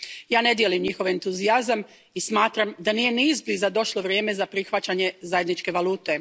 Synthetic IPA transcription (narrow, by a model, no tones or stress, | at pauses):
jaːne̞d̪je̞limɲixo̞ʋe̞nt̪uziazam | ismaːt̪ɾamd̪anije̞niːzbizad̪o̞ʃlo̞ʋɾje̞ːme̞zapɾixʋat͡ɕaɲe̞zaje̞d̪nit͡ʃke̞ʋalˠuːt̪e̞